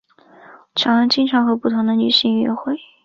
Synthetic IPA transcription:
ʈ͡ʂʰjɑ˧˥˧t͡ɕi˥˧nʈ͡ʂʰɑ˧˥ŋxɤ˧˥pu˥˩t̪ʰʊ˧˥ŋd̪ə˧ny˧˥ɕi˧˥ŋɛ̰˧˥xwe˥˩ɪ

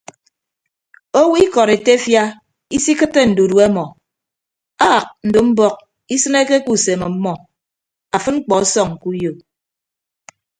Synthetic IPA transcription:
o˦wi˦kɔ˨ɾe˨te˦fja˦ | i˦si˦kɨ˦tːe˦n̩˨du˨du˨a˦mɔ˨ | a˦˨k̚n̩˨do˨m̩˦bɔ˦k̚ | i˦sɨ˦ne˦ke˦ku˦˨se˨me˨m̩˦mɔ˦ | a˨fɨ˦nŋ͡m̩˦k͡pɔ˨a˦sɔ˦˨ŋ̩˨ku˦jo˨

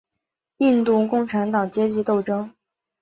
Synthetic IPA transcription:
i˥˧nt̪u˥˧kʊ˥˩ŋʈ͡ʂʰa˧˥nt̪ɑ˨˩ŋt͡ɕjɛ˥t͡ɕi˧˥t̪o˥˩ʊʈ͡ʂɤ˥ŋ

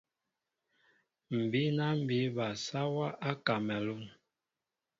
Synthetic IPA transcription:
m̩˨bi˦na˦m˦˨bi˦ba˨sa˦wa˦ʔa˦ka˨mɛ˨lu˦ŋ

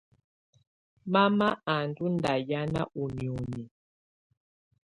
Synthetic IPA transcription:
ma˦ma˦a˨n˨du˦n˦da˨ja˦na̰˦u˨mju˨ni˨

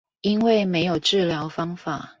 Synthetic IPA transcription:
i˦nwe˥˨˩ɪme˧˥ɪjo˨˩ʊʈ͡ʂɻ̩˥˨ljɑ˧˦ʊfɑ˥ŋfa˨˩˦

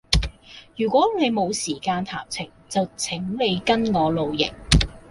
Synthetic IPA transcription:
jyː˨˩kʷɔː˨˥ne˨˧jmo˨˧wsiː˨˩kaː˧nt̪ʰa̰ː˨˩p̚t͡sʰɪ˨˩ŋt͡sɐ˨wt͡sʰɪ˨˥ŋle˨˧jkɐ˥nŋɔː˨˧lo˨wjɪ̰˨˩ŋ

